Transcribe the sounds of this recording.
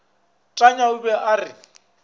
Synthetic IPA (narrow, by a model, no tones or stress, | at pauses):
tʼaɲaʊbɛʔarɪ